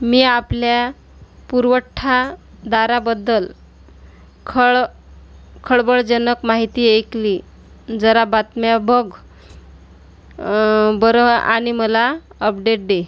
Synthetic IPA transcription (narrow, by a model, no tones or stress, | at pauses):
miːaplja | puɾʋəʈʰːad̪aɾabəd̪ːəl | kʰəɭ | kʰəɭbəɭd͡zənəkmaɦit̪iːekli | d͡zəɾabat̪mjabəɡ | bəɾəa̰ɽ̃iməlaəpɖeʈ̚d̪e